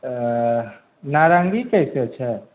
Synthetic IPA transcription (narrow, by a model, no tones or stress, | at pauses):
naːɾãːŋɡikɛseɐtːʃʰaɦɛ